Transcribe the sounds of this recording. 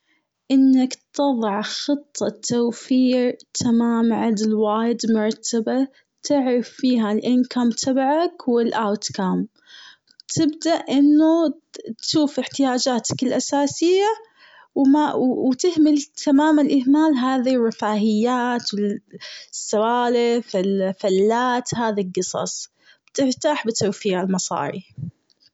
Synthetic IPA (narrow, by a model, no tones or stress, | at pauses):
ʔɪnːakt̪ɑðˤɑʕxɨt̪ˤːɑt̪ʰːawfiːɾt̪ʰamaːmʕad̪ɪlwaːjɪd̪mʊɾˤt̪ʰːaba | t̪ʰɪʕɾɑfːiːɦalʔɪnkamt̪ʰabʕakwɪlʔawt̪kaːm | t̪ʰɪbd̪aʔʔɪnːu | t̪ʃuːfɪħt̪ɪjaːd͡ʒaːt̪ḁkɪlʔasaːsɪjːa | wmawt̪ɪhmɪlt̪ʰamaːmanlʔɪhmaːlɦaːðirˤːɪfaːhɪjːaːt̪wɪ | sːawaːlɪfɪlfalːaːt̪haːðilɡɨsˤɑ̰sˤ | b̥t̪ɪɾt̪aːħbɪt̪awfiːʕalmɑsˤɑ̰ːɾˤḭ